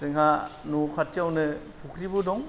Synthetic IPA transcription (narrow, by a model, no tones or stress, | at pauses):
tɯŋɦanukʰatjawnɯpʰukʰɾibɯdɔŋ